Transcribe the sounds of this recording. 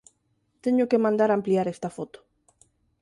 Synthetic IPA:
t̪eɲokemãnd̪aɾampliaɾest̪afot̪o̥

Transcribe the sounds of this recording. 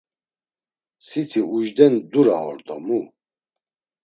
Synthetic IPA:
sit̪ʰiuʒd̪ɛnd̪uɾaɔ̰ɾd̪ɔmu

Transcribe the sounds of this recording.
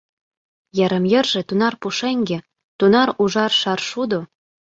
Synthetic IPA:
jɑ̆ɾə̆mjə̆rʒĕt̪unɑrpuʃeŋɡĕ | t̪unɑɾuʒɑrʃɑrʃud̪o

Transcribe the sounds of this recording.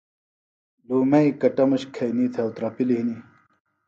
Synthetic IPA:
luːmɐikɐʈɐmuɕkʰɐjniːt̪ʰewt̪ɾɐpiliɦini

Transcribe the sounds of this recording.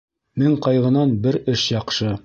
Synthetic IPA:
mɘɴqɑjʁɤ̆nɑnbɘɾɵʃjɑqʃɤ

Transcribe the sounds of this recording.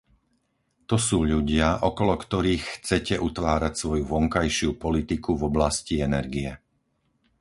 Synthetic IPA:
t̪ɔsuːʎuɟɪaʔɔkɔlɔkt̪ɔɾiːxxt͡sɛcɛʔut̪ʋaːɾacsʋɔjuʋɔŋkajʃɪupɔlit̪ikuvɔblasciɛnɛɾɡiɛ

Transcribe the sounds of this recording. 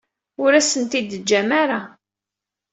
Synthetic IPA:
ʊɾæsənt̪id̪əd͡ʒːæmaɾa

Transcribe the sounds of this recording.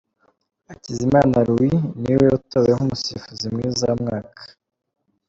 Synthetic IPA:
acizimaːnaɾuwiniweutaweŋumusifuzimŋiːzamŋaːkʰḁ

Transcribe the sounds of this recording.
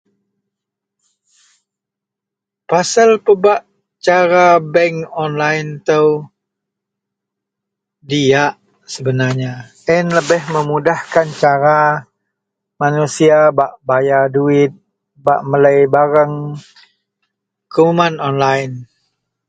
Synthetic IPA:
pasalpəbaʔ | t͡ʃaɾabɛŋɔnlaɪnt̪əw | diaʔ | səbənarɲa | ɪnləbɪhməmudahkant͡ʃaɾa | manusiabaʔbajaduɪt̪̚ | ba̰ʔmələjbaɾəŋ | kəumanɔnlaɪn

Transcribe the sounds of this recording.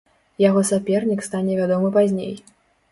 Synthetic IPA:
jaɣɔsapʲɛrnʲikst̪anʲɛvʲad̪ɔmɨpazʲnʲḛj

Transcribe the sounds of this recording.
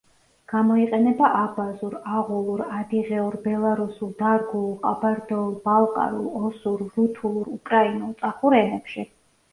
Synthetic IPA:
ɡ̥amɔiqʼɛnɛbaʔabazuɾaʁulˠuɾad̪iʁɛuɾbɛlˠaɾusulˠd̪aɾɡulˠqʼabaɾd̪ɔulˠbalˠqʼa̰ɾulˠɔsuɾːut̪ʰulˠuɾukʼɾainulˠt̪sʼaχuɾɛnɛpʃi

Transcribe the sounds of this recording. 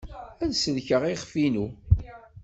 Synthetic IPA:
ænsəðçəʁiχfinu

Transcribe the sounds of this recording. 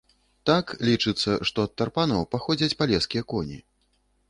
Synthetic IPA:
t̪aklʲit͡ʂɨt̪sːɐʂt̪ɔɐt̪ːarpanɐwpaxɔd͡zʲɐt͡sʲpalʲɛskʲijɐkɔnʲḭ

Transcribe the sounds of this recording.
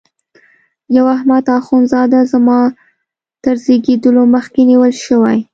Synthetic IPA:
jawahmad̪ɑxunzɑd̪azamɑ | t̪əɾzeɡed̪əloməxkeniwəlʃəwaj

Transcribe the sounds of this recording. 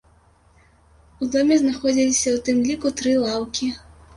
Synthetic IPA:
ud̪ɔmʲɛznaxɔd͡zʲilʲisʲɐwt̪ɨmlʲikut̪ɾɨlˠawkʲi

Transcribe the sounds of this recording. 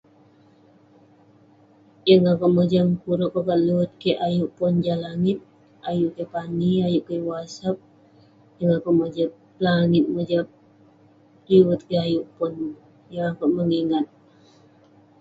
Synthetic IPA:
jəŋakaʔməd͡ʒamkuɾuʔkokaʔ̪liwət̪̚keʔajuʔpʊnd͡ʒalaŋɪt̪̚ | ajuʔkepaniajuʔkewasap̚ | jəŋakoʔməd͡ʒap | planɪt̪̚məd͡ʒa | liwət̪̚keajuʔpʊn | jaŋakoʔməŋiŋat̪̚

